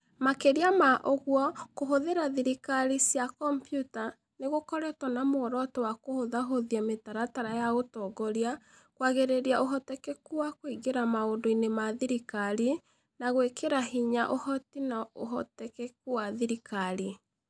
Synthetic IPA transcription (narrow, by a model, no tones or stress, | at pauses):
makeɾiamaʔoɣwɔkoɦoðeɾaðiɾikaɾisjakɔmpjuta | neɣokɔɾɛtɔnamoɔɾɔtɔwakohoðaɦoðiametaɾataɾajaotɔɡɔɾia | kwaɣeɾeɾiaʔoɦɔtɛkɛkuwakwoiɣeɾamaondoinemaðiɾikaɾi | naɣwekeɾaɦiɲaʔohɔtinao̰ɦɔ̰tɛkɛkuwaðiɾikʰaɾi